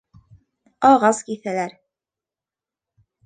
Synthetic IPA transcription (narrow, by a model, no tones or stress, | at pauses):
ɑʁɑzkiθælæɾ